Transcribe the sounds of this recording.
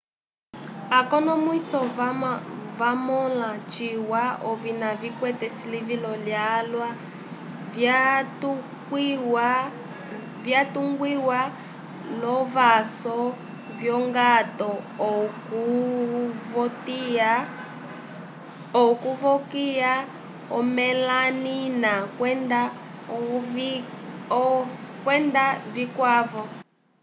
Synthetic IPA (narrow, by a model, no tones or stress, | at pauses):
akɔnɔmwisɔ | vamɔlat͡ʃiwaɔvinavikwɛtɛsilivilɔljalwa | k | vjatuŋɡwiwa | lɔvasɔ | vjɔŋɡatɔku | vɔtia | ɔkuvɔkia | ɔmɛlaninakɛnda | kwɛndavikwavɔ